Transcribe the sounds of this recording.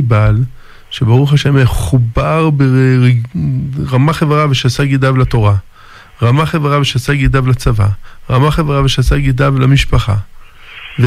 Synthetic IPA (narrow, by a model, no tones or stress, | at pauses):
bal | ʃebaʁuχaʃe̞meχubaʁbe | ʁamaχevʁaveʃasaɡid̪avlat̪o̞ʁa | ʁamaχevʁaveʃasaɡid̪avlat͡sava̰ʁamaχevʁaveʃasaɡid̪avlamiʃpaχa̰ | ve